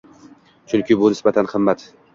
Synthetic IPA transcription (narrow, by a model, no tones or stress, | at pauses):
t͡ʃʰʊnkʲɪbʊnɪsbat̪ʰanhɨmːat̪